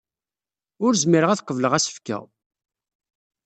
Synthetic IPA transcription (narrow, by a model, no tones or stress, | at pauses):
ʊɾzmiɾəʁæθəqːəvləʁæsə̥fkæ̰